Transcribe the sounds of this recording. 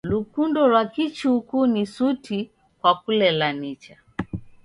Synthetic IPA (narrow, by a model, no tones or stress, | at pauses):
lukundɔlwakit͡ʃukunisuti | kwakulɛlanit͡ʃa